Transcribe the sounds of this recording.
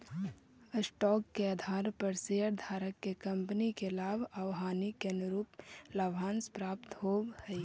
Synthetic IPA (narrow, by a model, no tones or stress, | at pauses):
əsʈɔːkːeəd̪ʱaːɾpəɾseəɾd̪ʱaːɾəkːekə̃mpənikelaːbʱawɦaːnikːenɾuːplaːbʱaːnspɾaːp̚t̪ɦoːbhəi